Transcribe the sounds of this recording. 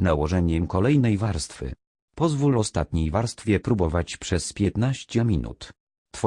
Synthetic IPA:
nawɔʐɛɲɛmkɔlɛjnɛjvaɾst̪fɘ̰ | pɔzvulɔst̪at̪ɲejvaɾst̪fʲjɛpɾubɔvat͡ɕpʂɛspʲjɛt̪naɕt͡ɕɛmʲinʔṵt̪ | t̪fɔ

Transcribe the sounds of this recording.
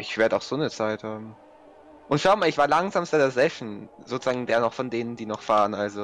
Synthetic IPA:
ʔɪçv̥eːɐdəaʊxz̥oːnət͡saɪthaːbm̩ | ʔʊntʃaʊəmaːlɪçv̥aːɐlaŋzaːmstədeːɐzɛʃn̩zoːt͡suz̥aːɡŋ̩deːɐnɔχfɔndeːnəndiːnɔχfaːʁənʔalzo

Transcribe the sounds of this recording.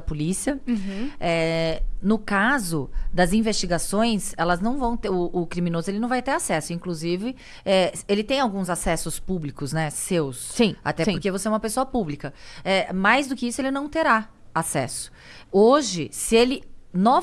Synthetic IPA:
ɐpolisiɐ | ɛnʊkazʊd̪ɐzĩvest͡ʃiɡasõj̃sɛlɐznɐ̃w̃vɐ̃w̃t̪eʊʔːkɾiminozʊelɪnɐ̃w̃vajt̪eɾasɛsʊĩkluzivɪ | ɛelɪt̪ẽj̃awɡũzasɛsʊspublikʊsnɛsewssĩa̰t̪ɛʊɾkevoseɛumɐpesoɐpublikɐɛmajzd̪ʊkɪisʊelɪnɐ̃w̃t̪eɾa | asɛ̰sʊ̥ | oʒɪsɪelɪnɔ

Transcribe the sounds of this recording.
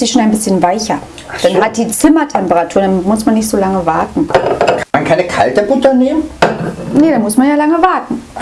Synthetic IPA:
z̥iːʃoːnaɪnbɪsçənvaɪçɐ | d̥anhat̚d̥iːt͡sɪmɐtʰɛmpəʁatʰuːɐdanmʊsmanːɪçtz̥oːlaŋəvaɐtn̩kʰankʰaɪnəkʰa̰ltəbʊtɐneːmənnədanmʊsmanjaːlaŋəvaɐtn̩

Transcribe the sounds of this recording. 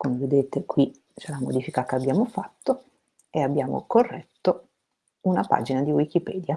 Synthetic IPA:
komeved̪eːt̪ekwi | t͡ʃɛlːamo̰d̪iːfikakeabːjaːmofat̪ːo | eabːjaːmo̰korːɛt̪ːo | unapa̰ːd͡ʒinad̪iwik̟ipɛːd̪ja

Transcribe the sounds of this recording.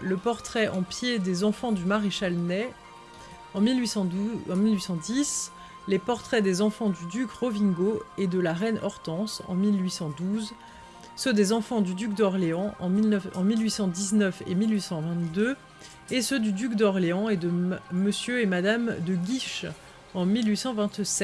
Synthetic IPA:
ləpɔʁt̪χɛʔɑ̃pjed̪ezɑ̃fɑ̃d̪ymaʁeʃalnɛ | ɑ̃milɥisɑ̃ɑ̃milɥisɑ̃d̪is | lepɔʁt̪χɛd̪ezɑ̃fɑ̃d̪yd̪ykʁɔvĩɡoed̪əlaʁɛnɔʁt̪ɑ̃sɑ̰̃milɥisɑ̃d̪uz | sød̪ezɑ̃fɑ̃d̪yd̪yk̚d̪ɔʁleɑ̃ʔɑ̃ɑ̃milɥisɑ̃d̪iznœfḛmilɥisɑ̃vɛ̃t̪d̪ø | esød̪yd̪ykd̪ɔʁleɑ̃ed̪əməsjøemad̪amd̪əɡʲiʃ | ɑ̃milɥisɑ̃vɛ̃t̪sɛ

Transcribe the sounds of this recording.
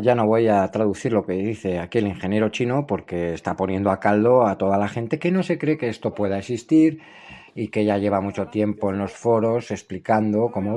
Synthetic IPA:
ʝano̞β̞o̞jat̪ɾaðuθiɾlo̞ke̞ðiθe̞akieliŋxe̞nje̞ɾo̞t͡ʃino̞po̞ɾke̞ːst̪apo̞njẽ̞nd̪oakald̪o̞at̪o̞ð̞alaxe̞nt̪e̞ke̞no̞se̞kɾe̞keest̪o̞pwe̞ð̞aesist̪iɾ | ike̞ʝaʝe̞β̞amut͡ʃo̞t̪je̞mpo̞e̞nlo̞sfo̞ɾo̞se̞splikand̪o̞ko̞mo

